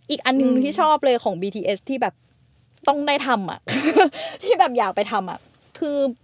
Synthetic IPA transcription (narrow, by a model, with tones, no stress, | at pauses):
ʔiː˨˩k̚ʔa˧nːɯ˨˧ŋt̪ʰiː˥˩t͡ɕʰɔː˥˩p̚lɤː˧jkʰɔː˩˦ŋbiː˧t̪ʰiː˧ʔe˦˥st̪ʰiː˥˩bɛː˨˩p̚ | t̪ɔ˥˩ŋdaː˥˩jt̪ʰa˧mʔa̰˨˩ | t̪ʰiː˥˩bɛː˨˩p̚jaː˨˩k̚pa˧jt̪ʰa˧mʔa̰˨˩ʔ | kʰɯː˧